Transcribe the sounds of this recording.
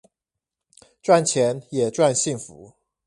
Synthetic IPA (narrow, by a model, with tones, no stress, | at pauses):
ʈ͡ʂwa˥˨nt͡ɕʰjɛ˨˧˦njɛ˨˩ʈ͡ʂwa˥˧nɕi˥˩ŋfṵ˨˦